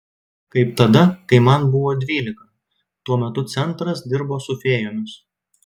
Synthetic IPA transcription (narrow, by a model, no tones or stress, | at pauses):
kɐɪp̚t̪ɐd̪ɐkɐɪmɐnbʊʋoːd̪ʲʋʲiːlʲɪkɐ | t̪uɔmʲɛt̪ʊt̪sʲɛnt̪ɾɐsd̪ʲɪɾboːsʊfʲeːjoːmʲʊs